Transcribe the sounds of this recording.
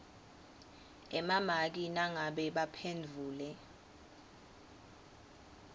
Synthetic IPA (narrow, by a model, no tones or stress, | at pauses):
ɛmamak̬inaŋaɓɛɓapʰend͡vʱuːlɛ